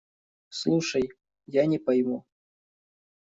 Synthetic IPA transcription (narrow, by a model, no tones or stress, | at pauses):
slˠuʂɐj | janʲɪpɐjmu